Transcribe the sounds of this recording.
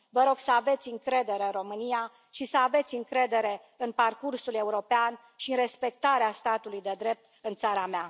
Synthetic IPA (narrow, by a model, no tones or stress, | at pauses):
vəɾo̞ɡ̥səave̞t̪sʲɨŋkɾe̞d̪e̞ɾeɨnro̞mɨnija | ʃisəave̞t̪sʲɨŋkɾe̞d̪e̞ɾe̞ | ɨnparkursule̞uɾo̞pean | ʃiɨnre̞spe̞k̚t̪aɾeast̪at̪ulujd̪e̞d̪ɾe̞p̚t̪ɨnt̪saɾamea